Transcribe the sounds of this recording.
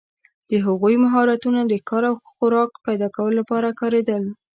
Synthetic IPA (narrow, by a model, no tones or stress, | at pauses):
d̪̥əɦaɣujmaɦɑɾat̪unad̪əkɑɾawxʊɾɑkpajd̪ɑkawəlolapɑɾakɑɾed̪əl